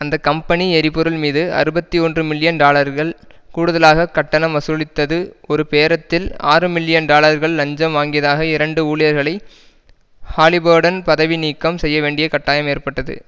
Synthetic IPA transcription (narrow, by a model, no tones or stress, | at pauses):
ɐnd̪ɐkːɐmpɐniɛɾɪpːɔɾɯlmiːðɯɐ̰ɾɯbɐt̪ːiɔndrɯmɪlːɪjɐnɖaːlɐɾɣɐɭ | kuːɽɯðɐlaːɣɐkɐʈːɐnɐmʋɐsɯlɪt̪ːɐðɯɔɾɯpeːɾɐt̪ːɪlaːrɯmɪlːɪjɐnɖaːlɐɾɣɐɭːɐɲd͡ʒɐmʋaːŋɡɪjɐðaːɣɐɪɾɐɳɖɯuːɭɪjɐɾɣɐɭɐɪ | haːlɪboːɾɽɐnpɐðɐʋiniːkːɐmsɛjːɐʋeːɳɖɪjɐkɐʈːaːjɐmeːɾpɐʈːɐðɯ̰